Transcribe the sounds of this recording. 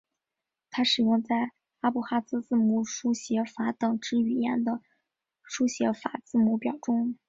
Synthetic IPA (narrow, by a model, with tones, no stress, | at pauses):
t̪ʰa˥ʂɻ̩˨˩jʊ˥˧ŋt͡sa˥˩ɪ | a˥pu˥˩xa˥t͡sɹ̩˥t͡sɹ̩˥˩mu˧˩ʂu˥ɕjɛ˧˥fa˧˥t̪ɤ˨˩ŋʈ͡ʂɻ̩˥y˨˩jɛ˥˩nd̪ə˩ | ʂu˥ɕjɛ˧˥fa̰˨˩˥t͡sɹ̩˥˩mu˧˥pjɑ˨˩ʊʈ͡ʂʊ˥ŋ